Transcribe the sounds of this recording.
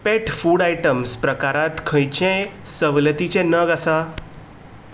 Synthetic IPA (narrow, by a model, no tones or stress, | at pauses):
peʈfuːɽajʈəmspɾəkaɾãt̪kʰə̃jt͡ɕẽsəʋlət̪it͡ɕẽnəɡasa